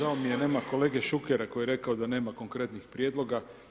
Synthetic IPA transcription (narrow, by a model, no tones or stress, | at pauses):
aomijene̞ːmako̞le̞ːɡe̞ʃukeɾako̞jeɾe̞kaod̪ane̞ːmako̞ŋkɾe̞t̪nixpɾje̞ːd̪lˠo̞ɡa